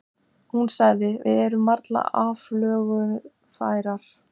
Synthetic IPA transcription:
hunsaɣðɪvɪ̰ðɛɾʏmːaɾt̪la̰aːvlœːɣʏn | faːjɾaɾ̥

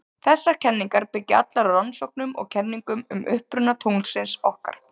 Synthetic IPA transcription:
θɛsːaɾ̥cʰɛnːiŋkaɾpɪcːɪa̰t̪laɾrɔnsɔwk̚nʏmɔ̰ɣcʰɛnːiŋkʏmʏmʔʏhpɾʏnat̪ʰowŋsɪnsɔhka̰ɾ̥

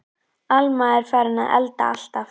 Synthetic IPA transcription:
almaɛɾ̥faːjɾɪna̰ðɛ̰lt̪a̰al̥t̪a

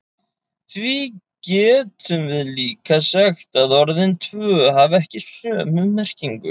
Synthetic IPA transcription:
θvi | cɛːt̪ʏmvɪðliːkasɛxt̪aðɔɾðɪnt̪ʰvœːɦavɛhcɪsœːmʏmɛr̥ciŋkʏ̰

